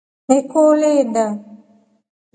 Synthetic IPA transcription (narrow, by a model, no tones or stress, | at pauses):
mekoːlena